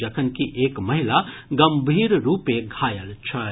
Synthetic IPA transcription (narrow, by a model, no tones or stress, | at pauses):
d͡ʒəkʰənkiʔekməɦilaɡəmbʱiɾɾupeɡʱajəlt͡ʃʰə